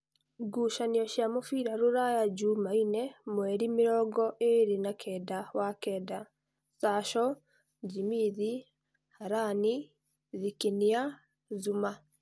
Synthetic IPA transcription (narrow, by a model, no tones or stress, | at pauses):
ɡuʃaniɔʃjamofiɾaɾuɾajad͡ʒumainɛmwɛɾimiɾɔːɡɔʔeɾinakʰɛdawakɛːda | saʃɔ | d͡ʒimiði | haɾani | ðikinia | zuma